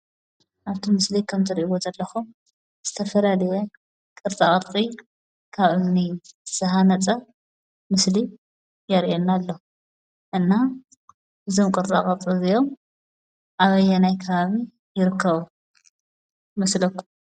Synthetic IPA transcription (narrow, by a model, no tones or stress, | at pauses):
ʔaβt̪ʰimɨslikʰɐmt̪ʰɨɾʔiβozɐlːɐxum | z̥ɨt̪ʰɐfɐlalɐjɛ | kʼɨɾt͡sʼakʼɐɾʼi | kʰaβɨnisɐɦanɐt͡sʼɐ | mɨsli | jɐɾiʔenːalːo | ʔɨnːa | ɨzo̞mkʼɨɾt͡sʼa̰kʼɐt̪t͡s̪ʼizijo̞m | ʔaβɐjɛnajkʰɐβaβi | jɪɾɨkʰːɐβu | mɐslɐkːum